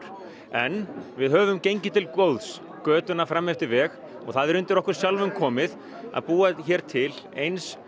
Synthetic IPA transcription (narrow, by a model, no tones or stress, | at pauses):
ɾ | ɛnvɪðɦœːvʏmcejɲcɪt̪ʰɪlkvoːwðs | kœːt̪ʏnafɾamːɛft̪ɪɾvɛːx | ɔɣθaðɛɾʏnt̪ɪɾɔhkʏɾ̥sjalvʏmkʰɔːmɪð | a̰ðpuːaçɛːɾ̥t̪ʰɪl | ejns